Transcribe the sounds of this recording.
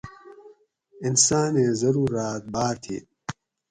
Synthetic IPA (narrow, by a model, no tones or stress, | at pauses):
insaːneːzɐɾuːraːt̪̚baːɾt̪ʰḭː